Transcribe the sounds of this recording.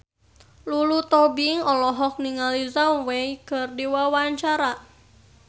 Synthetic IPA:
lulut̪ɔbiŋɔlɔɦɔk̚niŋalizamwɛjkɨrdiwawaɲt͡ʃaɾa

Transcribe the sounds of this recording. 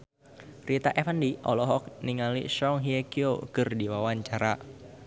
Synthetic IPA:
rit̪aʔɛfəndiʔɔ̰lɔɦɔk̚niŋalḭʃɔŋɦiekiokɨrdiwawaɲt͡ʃaɾa

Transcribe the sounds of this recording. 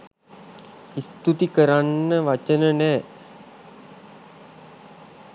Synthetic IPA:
ist̪ut̪ikəɾanːəʋat͡ʃənənɛː

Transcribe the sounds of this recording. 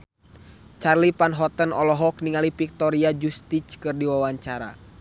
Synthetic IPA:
t͡ʃarlipanɦɔt̪ənɔlɔɦɔk̚niŋalipik̚t̪ɔɾiad͡ʒust̪it͡ʃkɨrdiwawaɲt͡ʃaɾa̰

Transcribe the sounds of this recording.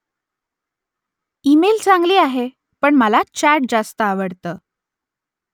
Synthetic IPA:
imelt͡saŋɡliːaɦe | pəɳməlat͡ɕæɾʈ̚d͡zast̪əaʋəɽt̪əː

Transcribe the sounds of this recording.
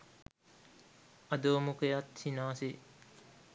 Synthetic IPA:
ɐd̪oːmukejɐt̪hinaːsi

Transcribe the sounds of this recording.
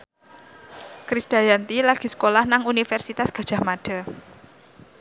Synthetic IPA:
kɾisd̪̥a̤jant̪ilaɡ̥i̤sə̥kolahnaŋunifɛrsit̪asɡ̥a̤d̥ʒ̥a̤maɖ̥a̤

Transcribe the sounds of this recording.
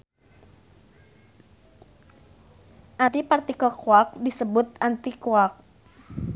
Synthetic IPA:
ʔat̪ipart̪ikɔkuak̚disəbʊt̪̚ant̪ikuak̚

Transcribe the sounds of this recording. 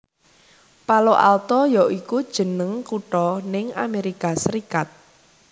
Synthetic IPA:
paloʔa̰lt̪ɔjɔʔikud̥ʒ̥ə̤nəŋkuʈɔnɪŋa̰meɾikasəɾikat̪̚

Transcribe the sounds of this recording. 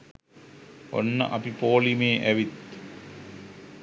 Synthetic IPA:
o̰nːɐ̰ʔɐpipoːlimeːʔɐʋit̪

